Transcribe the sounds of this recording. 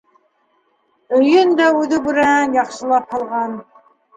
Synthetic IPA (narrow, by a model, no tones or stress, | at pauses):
ɵ̆jɵnd̪æʉðɘbʉɾæænjɑχʃɤ̆lˠɑphɑlˠʁɑn